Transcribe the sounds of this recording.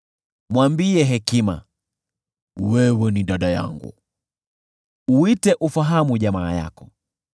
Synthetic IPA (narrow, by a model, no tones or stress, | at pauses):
mwambiɛɦɛkima̰ | wɛwɛniɗaɗaja̰ŋɡṵ | uitɛʔufaɦamuʄamaːja̰kɔ